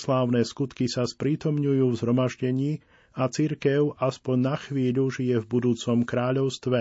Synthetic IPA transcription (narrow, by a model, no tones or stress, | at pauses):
slaːʊnɛːskut̪kisaspɾiːt̪ɔmɲujuːvzɦɾɔmaʒɟɛɲiː | at͡siɾkɛʊʔaspɔɲnaxʋiːʎuʒijɛvbud̪uːt͡sɔmkɾaːʎɔʊst̪ʋɛ